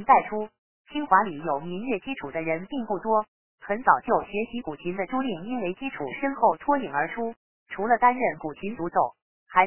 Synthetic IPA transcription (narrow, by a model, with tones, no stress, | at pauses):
t̪a˥˩ɪʈ͡ʂʰu˥ | t͡ɕʰi˥ŋxwa˧˥li˨˩jo˨˩ʊmi˧˥njɛ˥˩t͡ɕi˥ʈ͡ʂʰu˨˩d̪ə˦ɻə˧˥npi˥˧ŋpu˥˩t̪wɔ˥ | xə˧˥nt͡sɑ˨˩ʊt͡ɕjo˥˩ʊɕɥɛ˧˥ɕi˧˥ku˨˩t͡ɕʰi˧˥nd̪ə˧ʈ͡ʂu˥li˥˩ŋi˥nwe˧˥ɪt͡ɕi˥ʈ͡ʂʰṵ˨˩ʂə˥nxo˥˩ʊt̪ʰwɔ˥i˨˩ŋə˞˧˥ʈ͡ʂʰu˥ | ʈ͡ʂʰu˧˥lə˧t̪a˥nɻə˥˩nku˨˩t͡ɕʰi˧˥nt͡su˧˥t͡so˨˩˦ʊ | xa˧˥